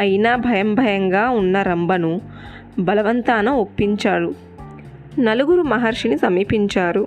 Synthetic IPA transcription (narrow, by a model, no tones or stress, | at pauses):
ɐjinaːbʱɐjɐmbʱɐjɐŋɡaːunːɐɾɐmbɐnu | bɐlɐʋɐnt̪aːnɐmo̞pːiɲt͡ʃaːɽu | nɐluɡuɾumɐɦɐɾʂinisɐmiːpiɲt͡ʃaːɾu